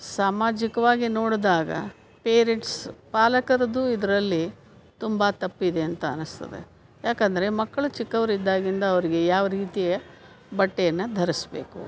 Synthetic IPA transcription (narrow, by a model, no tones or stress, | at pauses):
saːmaːd͡ʒikɐʋaːɡinoːɽd̪aːɡɐ̰ | peːɾeʈspaːlɐkɐɾɐd̪uid̪ɐɾɐlːi | t̪umbɐt̪ɐpːid̪e̞ɐnt̪ɐ̰ːnɐst̪ɐ̰d̪e̞̰ | jaːkɐnd̪ɐɾe̞mɐkːɐɭut͡ʃikːɐʋɐɾid̪ːaːɡind̪ɐːʋɐɾiɡe̞jaːʋɐɾiːt̪ijɐ | bɐʈːejɐnːɐd̪ʱɐɾisbe̞̰ːkṵ